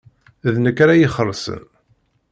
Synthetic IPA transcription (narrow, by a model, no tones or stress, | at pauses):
ðnəkːɾajiχərˤːsə̰n